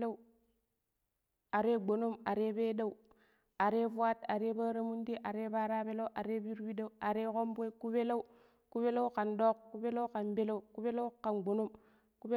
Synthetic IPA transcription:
a˦ | a˨ɾe˦ɡ͡bo˨no˦ma˨ɾe˦be˦da˦u˦ | a˨ɾe˦fu˦a˦ta̰˨ɾe˦ba˦ɾa˦mu˦nti˦ʔa˨ɾe˦ba˦ɾa˦be˦la˦u˦ʔa˨ɾe˦bi˦ɾwi˦da˦u˦a˨ɾe˦ko˦mbe˦ku˦be˦la˦u˦ | ku˦be˦la˦u˦ka˨ndo˦kkːu˦be˦la˦u˦ka˨nbe˦la˦u˦ku˦be˦la˦ka˨nɡ͡bo˨no˦m | ku˦b

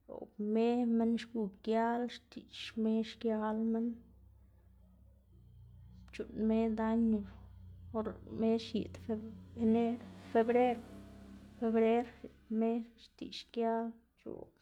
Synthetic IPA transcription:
o̰˨me˦me˦nʃɡu˧˨kja˦lʃt̪i˨ʃme˦ʃkja˦lme˦n | t͡ʃu˨nme˦d̪a˦ɲu˧˨o˦ɾme˦ʃjḭ˨d̪fene˦ɾfe˧bɾe˦ɾ | fe˧bɾe˦ɾ | me˦ʃt̪ḭ˨ʃkja˦l | t͡ʃṵ˨

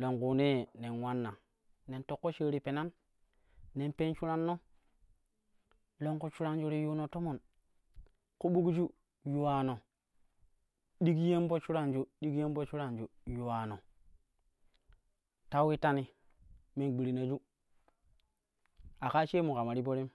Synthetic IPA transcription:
lo˨ŋku˨ne˦˨ne˨nwa˦nːa̰˨ | ne˨nto˦kːo˦t͡ʃe˦ɾi˨pe˨na˦nː | e˨npe˦nt͡ʃu˦ɾa˦nːo˦ | lo˦ŋku˦t͡ʃu˦ɾa˦nd͡ʒu˦ɾi˦ju˦no˨to˦mo˨n | ku˦ɓu˦ɡd͡ʒu˦ | ju˨wa˨no˨ | ɗi˦kje˦mbo˦t͡ʃu˦ɾa˦nd͡ʒu˦ɗi˦ɡje˦mbo˦t͡ʃu˦ɾa˦nd͡ʒu˨ju˨wa˨no˨ | ta˦wi˦ta˦ni˨ | me˦nɡ͡bi˨ɾi˨na˨d͡ʒu˦ | a˨ka˦t͡ʃe˦mu˨ka˨ma˨ɾi˦bo˦ɾi˦m

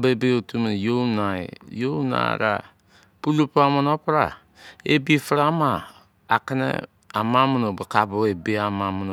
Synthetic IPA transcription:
bebeotumenjonaḛjona̰ɾa̰˨ | pu˦lu˦puamono˦pɾa̰˨ | e˦bi˦fɾa˦maː˨ | ka˦nḛ˦ | a˨ma˦mono˨ba˨kabo˦e˨be˦ama˨mono

